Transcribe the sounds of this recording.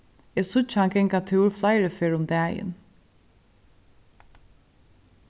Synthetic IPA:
ɛːsʊt͡ʃhanɡɛŋkat̪ʰɪwɾflaɪɾəfeːɹʊmd̪æːjɪ̰n

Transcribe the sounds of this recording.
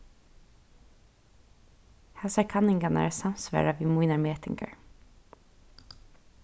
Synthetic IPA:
hɛsaɹkʰanɪŋkanə̰samsʋæ̰ːɹaʋiːmuɪnaɹmeːt̪ɪ̰ŋkə̰ɹ

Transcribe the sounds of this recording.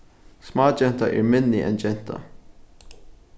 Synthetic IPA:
smɑːd͡ʒɛnt̪ɐʔɛːɹmɪnːɪʔɛ̰nd͡ʒɛnt̪ʰɐ̰

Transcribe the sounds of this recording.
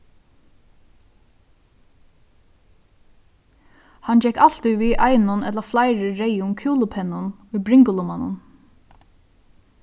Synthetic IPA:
hɑnd͡ʒɛkɑl̥t̪ɪʋiːʔɑɪnʊnɛt̪ləflɑɪɾəɾeɪʊŋkʰjuːlʊpʰɛnʊn | ʊjbɾɪŋɡʊlʊmɑnʊ̰n

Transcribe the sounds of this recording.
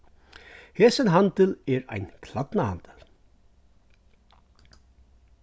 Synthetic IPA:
hɛːsɪnɦant̪ɪlɛɾa̰jnkʰlat̪nahant̪ɪl

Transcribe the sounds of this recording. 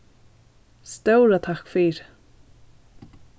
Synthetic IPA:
st̪œwɾat̪ʰakfiːɾ

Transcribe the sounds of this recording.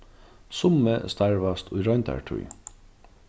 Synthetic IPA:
sʊməst̪ʰæɹʋɑst̪ʰʊʏɹɑʏnt̪ʰæ̰ɹʈʰʉ̰ʏ

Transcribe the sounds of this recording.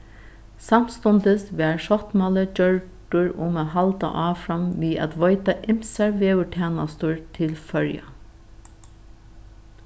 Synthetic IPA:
sam̥st̪ɔnt̪əsʋɛːɹʃɔht̪maləd͡ʒœɹʈʊɹʊmaːɦalt̪a̰ʔɑːfɹamʋiːæ̰t̪ʋɔjt̪aʔɪmsɛɹʋeːʊʈʰɛːnast̪ʊɹt̪ʰɪlfœɹja̰

